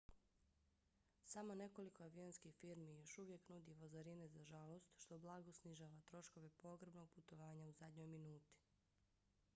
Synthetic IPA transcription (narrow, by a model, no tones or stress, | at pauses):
samo̞ne̞ko̞liko̞aʋionskixfiɾmijo̞ʃuʋje̞knud̪iʋozaɾinezaʒalˠo̞st̪ʃt̪o̞blˠaɡo̞sniʒaːʋat̪ɾo̞ʃko̞ʋe̞po̞ɡɾebno̞ɡ̚put̪o̞ʋaːɲauzad̪ɲo̞jminuːt̪i̥